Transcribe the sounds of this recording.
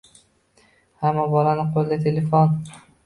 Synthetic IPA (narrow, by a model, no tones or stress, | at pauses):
hamːabɒlanɪqʰolˠd̪at̪ʰelefon